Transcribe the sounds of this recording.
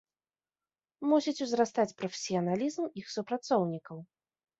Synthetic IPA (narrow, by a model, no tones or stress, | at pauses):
musʲit͡sʲuzɾast̪at͡sʲpɾɔfʲesʲiɐnalʲizmixsupɾat̪sɔwnʲikɐw